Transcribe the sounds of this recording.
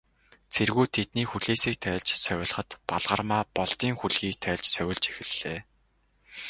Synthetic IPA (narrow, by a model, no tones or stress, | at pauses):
t͡sʰerɣuːt̪ʰet̪niːxuɮeːsiːk̚t̪ʰæːɮt͡ɕsœwʲɪ̆ɮχə̆t̪paɮʁə̆rmaːpɔɮt̪iːŋxuɮɣiːk̚t̪ʰæːɮt͡ɕsœwʲɪ̆ɮt͡ɕe̥xɘ̆ɮːeː